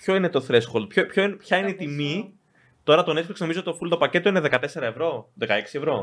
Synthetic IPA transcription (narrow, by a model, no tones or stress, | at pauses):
pço̞ine̞t̪oθɾe̞sxolpçopçoinpçɐineit̪imi | t̪o̞ɾɐt̪onekfɾiksnomizoot̪t̪ofult̪opɐce̞t̪oineðe̞kɐt̪e̞se̞ɾɐevɾo̞ðekɐeksievɾo̞